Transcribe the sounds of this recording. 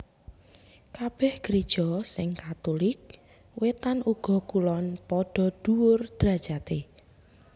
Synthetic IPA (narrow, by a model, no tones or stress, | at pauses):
kab̥ɛhɡ̥ɾed̥ʒ̥ɔsɪŋkat̪ulɪk̚ | wet̪anuɡ̥ɔ̤kulɔnpɔɖ̥ɔ̤d̪̥uwʊrd̪̥ɾḁʒ̥at̪e